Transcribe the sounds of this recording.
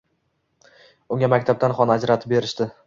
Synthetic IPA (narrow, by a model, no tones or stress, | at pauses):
ʊŋʲamakʲt̪ʰab̚t̪anχɒnad͡ʒɾat̪ʰɪp̚be̞ɾɪʃd̪ɪ